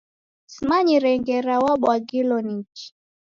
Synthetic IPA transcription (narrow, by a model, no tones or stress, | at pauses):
simaɲiɾɛŋɡɛɾawaɓwaɡilɔnit͡ʃi̥